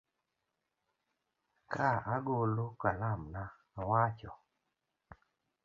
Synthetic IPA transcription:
kaaɡolokalamna | awat͡ʃɔ

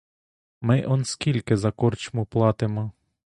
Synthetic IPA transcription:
mɪʔɔnskʲilʲkɪzɐkɔrt͡ʃmʊplˠɑt̪ɪmɔ

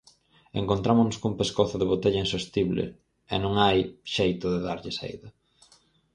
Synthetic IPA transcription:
ḛŋkont̪ɾamonʊskuŋpeskoθʊðeβot̪eʎɐinsost̪iβlḛ | ɛ̰nõŋajʃejt̪ʊðeðaɾʎɪsḛjðɐ

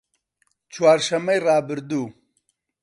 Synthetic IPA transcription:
t͡ʃʰwaːɾʃɐmɐjrɑːbɨɾd̪uː

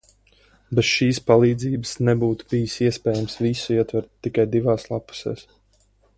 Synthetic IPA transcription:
bɛt̪ʃiːspalˠiːd̪ziːbəsnɛbuːt̪u̥b̥ijisiɛspɛːjamsvisuiɛt̪vɛɾt̪ːikajd̪ivaːslˠapu̥sḛːs

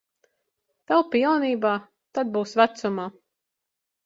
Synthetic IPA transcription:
t̪awpilˠniːbaː | t̪ad̪̚buːsvæt̪sumaː

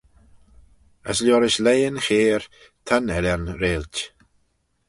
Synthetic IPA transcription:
ə̰slʲjɔːɾɪʃlejənxeːɹ | t̪ʰanɛlʲanɾeːlʲt

